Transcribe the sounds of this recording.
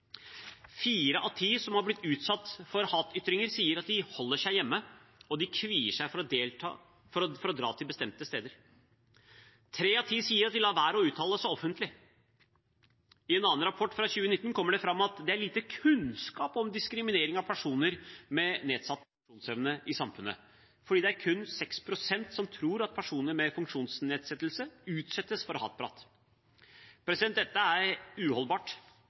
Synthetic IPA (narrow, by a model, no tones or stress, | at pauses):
fiːɾəʔɑt̪ʰiːsɔmhɑɾblɪt̪ːʉːt̪sɑt̪ːfɔɾhɑːt̪ʏt̪ɾɪŋəɾsiːəɾɑt̪̚d̪ɪhɔlːəʂæɪjɛmːəɔd̪ɪkʰʋiːəʂæɪfɾɔd̪eːlɑ̰ | fɔɾfɔɾɔd̪ɾɑ̰ːt̪ʰɪlbəst̪ɛmt̪əst̪eːd̪əɾ | t̪ʰɾeːɑt̪ʰiːsiːəɾɑt̪d̪ɪlɑːʋæːɾəɔʉːt̪ʰɑːləsɔɔfənt̪lɪ | ɪɛnɑːənɾɑpʰɔʈːfɾɑɕʉːənɪt̪ːn̩kʰɔmːəɖɛfɾɑmːɑt̪d̪ɛæɾɭliːt̪əkʰʉnskɑːpɔmd̪ɪskɾɪmɪneːɾɪŋɑʋpʰæʂuːnəɾmɛneːd̪sɑt̪ːfʂuːnsɛʋnəʔɪsɑmfʉnːə̰ | fɔɖiːd̪ɛæɾkʰʉnsɛkspʰɾʊsɛnt̪sɔmt̪ʰɾuːɾɑt̪̚pʰæʂuːnəɾmɛfʉŋkʂuːnsneːd̪sɛt̪ːlsəʉːt̪sɛt̪ːəsfɔɾɔhɑ̰ːɛt̪̚bʰɾɑ̰ːt̪ː | pʰɾɛsɪd̪ɛnd̪ɛt̪ːəæɾʉːhɔlbɑːʈ